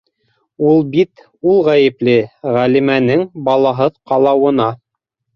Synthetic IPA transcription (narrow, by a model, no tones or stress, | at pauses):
ulˠbit̪ | ulˠʁæjɘ̆plɘʁælimænɘŋbɑlˠɑɦɤðqɑlˠɑwɤ̆nɑ